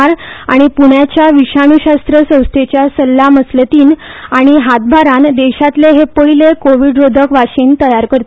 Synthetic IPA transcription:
ɾaɽ̃ipuɳjat͡ɕjaʋiɕaɽ̃uɕast̪ɾəsə̃w̃st̪ʰet͡ɕjasəlːaməslət̪iːnaɽ̃iɦat̪̚bʱaɾãnd̪eɕat̪leɦepəɭilekoʋiɖɾod̪ʱəkʋaɕiːnt̪əjaɾkəɾt̪

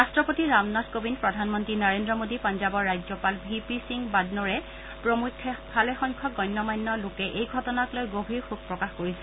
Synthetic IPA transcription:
ɹastɹɔpotiɹamnatkobinpɹɔdʱanmɔntɹinɔɹendɹɔmodipɔnzabɔɹːajd͡ʒɔpalbʱipisiŋbadnɔɹɛ | pɹomukʰːɛbʰʱalɛxɔŋkʰɔɡɔjnːɔmajnːɔlʊkɛʔejɡʱɔtɔnaklojɡobʱiɹxuɡ̚pɹɔkaxkoɹisɛ

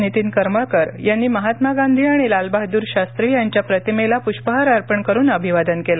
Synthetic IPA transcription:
nit̪iːnkəɾmakəɾjanːiːməɦat̪maɡãnd̪ʱiːaɽ̃ilalbaɦd̪uːɾɕast̪ɾiːjaɲt͡ɕjapɾət̪imelapuɕpəɦaɾaɾpəɳkəɾuːnəbʱiʋad̪ənkela

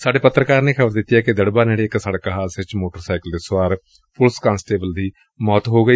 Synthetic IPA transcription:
saːɖeːpət̪ɾəkaːɾneːkʰəbəɾd̪ɪt̪ːijɛːkɪd̪əɽbaːneːɽeːɪksaːɽkaɦaːsɪt͡ʃmoːʈəɾsaːkəld̪eːswaːɾ | pʰʊlskãːnsʈeːbəld̪iː | mɔːt̪ɦoːɡəi

